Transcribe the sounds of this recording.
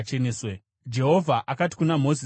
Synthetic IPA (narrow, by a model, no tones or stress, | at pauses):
t͡ʃeneːswe | d͡ʒe̞ɦo̞vʱaʔakati̥kunamo̞zi